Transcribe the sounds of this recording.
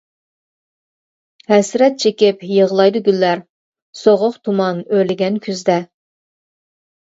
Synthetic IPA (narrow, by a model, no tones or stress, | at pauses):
hɛsɾɛt̪̚t͡ʃʰekʲɪpjəʁlˠɑjd̪uɡʲylːæɾ | soʁʊqt̪ʰumɑnølɪɡʲɛnkʲʰyzd̪ɛ